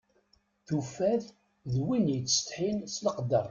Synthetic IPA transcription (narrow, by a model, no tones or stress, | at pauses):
θufæθ | ðwinjət͡sːst̪ħinsləqd̪əɾˤ